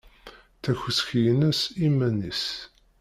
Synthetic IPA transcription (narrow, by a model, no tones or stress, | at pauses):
θæçəsçjənəsimːænis